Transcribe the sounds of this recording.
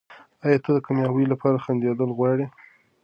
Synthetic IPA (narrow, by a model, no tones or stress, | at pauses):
ɑjɑt̪ad̪əkamjɑwəjlapʰɑɾaxand̪ed̪əlɣwɑɽi